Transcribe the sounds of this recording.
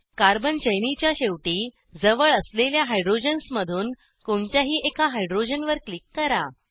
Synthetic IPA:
kaɾbənt͡ɕəjnit͡ɕjaɕeʋʈiː | d͡zəʋəɭəsleljaɦajɖɾod͡ʑənsməd̪ʱuːn | koɳt̪jaɦiːʔekaɦajɖɾod͡ʑənʋəɾklikːəɾa

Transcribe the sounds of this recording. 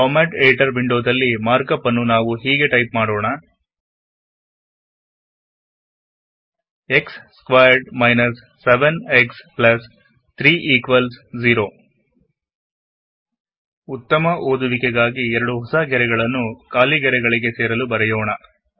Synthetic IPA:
ʈɔːmaːʈeːʈɐɾbiɳɖoːd̪ɐlːimaːɾkɐpːɐnːunaːʋuɦiːɡe̞ʈɐjpmaːɽoːɳɐ | eksːkʋaːjɐɾɖmɐjnɐsːeʋeneksplɐs | t̪ʰɾiːʔiːkʋɐlsd͡ʒiɾoː | ut̪ːɐmɐʔoːd̪uʋikɛɡaːɡiɛɾɐɽuɦɔsaɡɛɾɛɡɐɭɐnːukaːliɡɛɾɛɡɐɭiɡe̞seːɾɐlubɐɾɛjoːɳɐ

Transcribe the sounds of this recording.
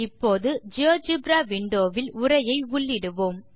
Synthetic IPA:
ɪpːoːðɯd͡ʒoːd͡ʒɯbɾaːʋɪɳɖoːʋɪlʊrɐjɐɪʊɭːɪɽɯʋoːm

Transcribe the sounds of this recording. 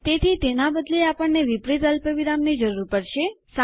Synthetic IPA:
t̪et̪ʰit̪enabəd̪leapəɳːeʋipɾit̪əlpəʋiɾamnid͡ʒəɾuɾpəɾʃesa

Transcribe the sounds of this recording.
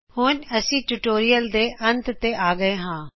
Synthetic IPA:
hʊːnɐsĩːʈuʈoːɾijəld̪eːʔɐ̃nt̪t̪eaːɡəeɦãː

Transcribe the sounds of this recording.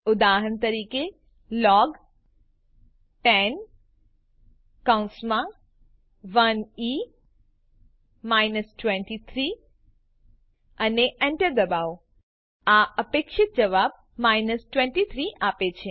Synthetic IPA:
ʊd̪aɦənt̪əɾike | lɔɡ | ʈɛn | kaw̃nsmã | ʋəni | majnəsʈwɛ̃ɳʈit̪ʰɾi | əneʔɛɳʈəɾd̪əbao | aʔəpekʃɪt̪̚d͡ʒəʋab̚ | mainəsʈʋɛ̃ɳʈit̪ʰɾiʔapet͡ʃʰe

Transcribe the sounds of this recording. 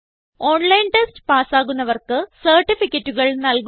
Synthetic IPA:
o̞ːɳlɐjnʈestɨ̥paːsaːɣunːɐʋɐrkɨsɐrʈːifikʲːɐtːuɣɐɭnɐlk

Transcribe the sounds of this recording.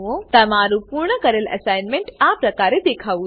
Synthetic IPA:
õt̪ɐmaːɾupuɾɳəkɐɾəlʔɐ̰saːɪnmẽɳʈaːpɾɐkaːɾed̪eːkʰaːʋu

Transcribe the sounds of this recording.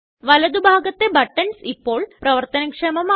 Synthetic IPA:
ʋɐlɐd̪ubʱaːɡɐt̪ːe̞bɐʈːɐnsipːo̞ːɭprɐʋɐrt̪ɐnɐkʂeːmɐma

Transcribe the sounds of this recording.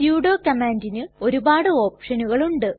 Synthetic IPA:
juːɽoːkɐmaːndinɨo̞ɾubaːɽɨo̞ːpʂɐnuɣɐɭuɳɖɨ

